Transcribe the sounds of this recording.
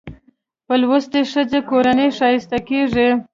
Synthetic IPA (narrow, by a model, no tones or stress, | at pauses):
pəlwost̪eʂəzekoɾaneʂɑjɪst̪akeʐi